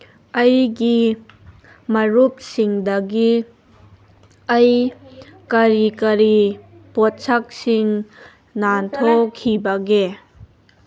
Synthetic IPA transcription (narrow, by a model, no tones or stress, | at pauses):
ɐjɡi | mɐɾup̚siŋdɐɡi | ɐj | kɐɾikɐɾipotsɐk̚siŋ | nantʰɔkʰːibɐɡe